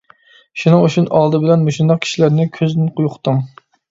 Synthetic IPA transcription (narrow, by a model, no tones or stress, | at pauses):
ʃunɨŋuʃunɑlˠd̪ɨbɪlɛnmoʃund̪ɑq̚kʲʰi̥ʃilæɾnɪkʲʰøzd̪ɪnqʊjqʰʊ̥t̪ʰɨŋ